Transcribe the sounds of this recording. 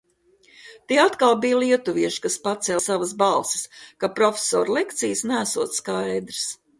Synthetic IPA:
t̪iɛat̪kalˠbijliɛt̪uviɛʃi̥kaspat̪sɛlˠsavasbalˠsɪ̥skapɾɔfʲe̥sɔ̰ːɾlˠɛkt̪sijsnæsuɔt̪sskajd̪ɾɨs

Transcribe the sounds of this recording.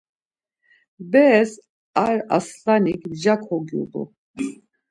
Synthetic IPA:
bɛs | aɾa̰slanikd͡ʒakʰhɔɡjṵb̪ṵ

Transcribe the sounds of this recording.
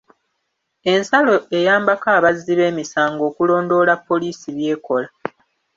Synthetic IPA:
e̞nsalo̞e̞jaːmbakaːβazːiβe̞ːmisaːŋɡo̞ːkulo̞ːndo̞ːlapːo̞liːsiβje̞ːko̞la

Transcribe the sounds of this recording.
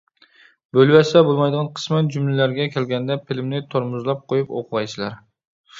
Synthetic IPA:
bølwɛsɛbolˠmɑjd̪əʁɑnqʰə̥smɛnd͡ʒymlɪlæɾɡʲɛkʲʰɛlɡʲɛnd̪ɛpʰɪlmnɪt̪ʰoɾmʊzlˠɑp̚qʰojupo̰qʰʊvɑjsɨlˠɑ̰ɾ

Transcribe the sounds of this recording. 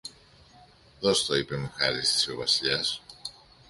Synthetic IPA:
ðost̪oipe̞mexɐɾist̪i̥siovɐsiʎɐs

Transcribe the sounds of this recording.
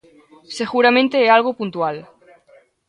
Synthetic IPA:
seɣuɾamẽnt̪eealɣ̞opunt̪ual

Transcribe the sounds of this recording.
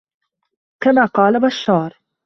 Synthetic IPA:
kamaːqɑːlabaʃːɑːɾˤ

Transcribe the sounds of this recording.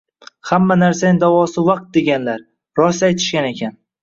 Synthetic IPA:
hamːanaɾsanɪd̪avɒsɪvɑq̚t̪̚d̪e̞ɡʲanlaɾ | ɾɒsajt̪ʰɪ̥ʃɡʲane̞kʲʰan

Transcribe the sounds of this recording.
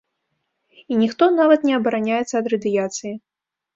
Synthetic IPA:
inʲixt̪ɔnavɐt̪nʲɛɐbɐɾanʲajɛt̪sːɐːd̪ɾɐd̪ɨjat̪sɨji

